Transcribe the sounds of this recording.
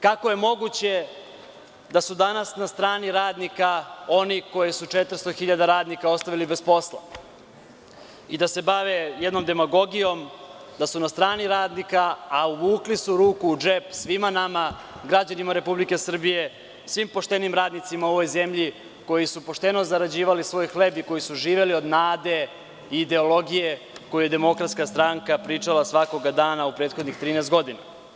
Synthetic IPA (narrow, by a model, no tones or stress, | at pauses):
kako̞je̞mo̞ɡut͡ɕe̞ | d̪asud̪anasnast̪ɾaːniɾaːd̪nikao̞niko̞jisut͡ʂe̞t̪r̩st̪o̞xiʎad̪aɾaːd̪nikao̞st̪aʋilibe̞spo̞slˠa̰ | id̪ase̞baʋejed̪no̞md̪e̞maɡo̞ɡijo̞m | d̪asunast̪ɾaːniɾaːd̪nikaːuʋuːklisuɾuːkuːd͡ʒepsʋimanama | ɡɾad͡ʑanimaɾe̞publike̞sr̩bije̞ | sʋimpo̞ʃt̪e̞nimɾaːd̪nit̪simao̞ʋo̞jze̞mʎi | ko̞jisupo̞ʃt̪e̞nozaɾad͡ʑiːʋalisʋo̞ːjxlebiko̞jisuʒiːʋe̞lio̞d̪naːd̪e̞ | iːd̪e̞o̞lˠo̞ɡije̞ | ko̞juje̞d̪emo̞kɾat̪skast̪ɾaŋkapɾiːt͡ʂalasʋako̞ɡad̪aːnaupɾe̞ːt̪xo̞d̪nixt̪ɾiːnɛːst̪ɡo̞d̪ina̰